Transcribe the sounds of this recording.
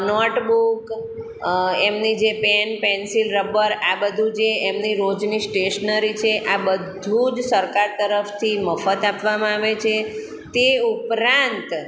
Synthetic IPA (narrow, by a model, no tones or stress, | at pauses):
nɔʈbuk | emnid͡ʒepenpɛnsilɾəbəɾabəd̪ʱud͡ʒeemniɾod͡ʒnisʈeʃnəɾit͡ʃʰeʔabəd̪ʱud͡ʒsəɾkaɾt̪əɾəft̪ʰiməfət̪apʋamãaʋet͡ʃʰe | t̪eupɾãnt̪